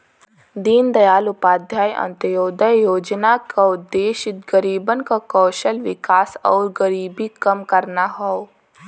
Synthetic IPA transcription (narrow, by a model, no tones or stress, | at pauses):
d̪iːnd̪ɐjaːlʊpaːd̪ʱjaːjɐ̰̃nt̪əjoːd̪əjjoːd͡ʒnakaʊd̪ːeːʃɪt̪̚ɡəɾiːbənkakɔːʃəlʋɪkaːsɔ̰ːɾɡəɾiːbikɐmkɐɾnaɦɔo